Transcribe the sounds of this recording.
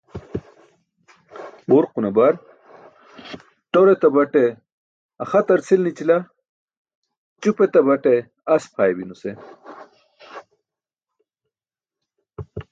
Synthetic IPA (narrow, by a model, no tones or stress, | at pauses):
boɾqunɐbaɾ | ʈoɾet̪ɐbɐʈe | ɐxɐt̪ɐɾt͡sʰilnit͡ɕila | t͡ɕupet̪ɐbɐʈe | ɐspʰaːjebinuse